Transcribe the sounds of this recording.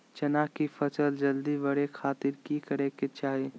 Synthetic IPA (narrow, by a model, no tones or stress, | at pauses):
t͡ʃɐnaːkifʰəsəld͡ʒɐld̪ibɐɽekʰaːt̪ɪɾkikəɾẽket͡ʃaːɦi